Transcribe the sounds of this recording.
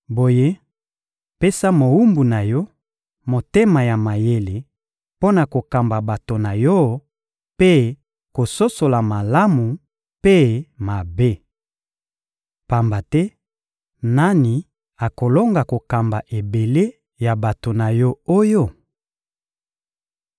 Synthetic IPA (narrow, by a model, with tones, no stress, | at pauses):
bo˨je˦ | pe˦sa˦mo˨wu˦mbu˨na˨jɔ˦ | mo˨te˦ma˨ja˨ma˨je˦le˨ | po˦na˨ko˨ka˨mba˨ba˨to˨na˨jɔ˦ | pe˦ | ko˨so˦so˨la˨ma˨la˦mu˨ | pe˦ma˨be˦ | pa˨mba˨tɛ˦ | na˦ni˨ | a˨ko˨lo˦ŋɡa˨ko˨ka˨mba˨ʔe˨be˨le˦ | ja˨ba˨to˨na˨jɔ˦o˦jo˦